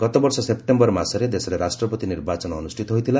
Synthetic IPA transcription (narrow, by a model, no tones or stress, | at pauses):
ɡ̥ɔt̪ɔbɔɾsɔsepʈembɔɾmasɔɾed̪esɔɾeɾasʈɾɔpɔt̪iniɾbat͡ʃɔnɔnusʈʰit̪ɔɦojt̪ʰila